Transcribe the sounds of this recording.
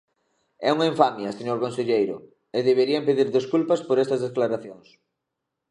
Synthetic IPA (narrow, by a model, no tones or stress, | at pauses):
ɛ̰uŋɐiɱfamjɐseɲoɾkonseʎejɾʊ̰ | ɪðeβeɾiampeðiɾðeskulpɐspoɾɛst̪ɐzðesklaɾaθjoŋs